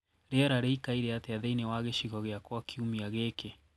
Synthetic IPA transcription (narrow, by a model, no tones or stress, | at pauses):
ɾɛɾaɾeikaiɾeateaðɛinewaɣeʃiɣɔɣeakwakʰiumiaɣeke